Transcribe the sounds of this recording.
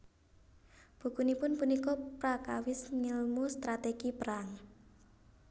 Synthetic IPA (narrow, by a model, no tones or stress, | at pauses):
b̥ṳkunipʊnpunikɔpɾakawɪsŋilmust̪ɾat̪eɡ̥ipəɾaŋ